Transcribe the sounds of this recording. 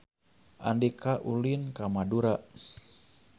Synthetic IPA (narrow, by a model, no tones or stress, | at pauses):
ʔa̰ndikaʔulinkamaduɾaʔ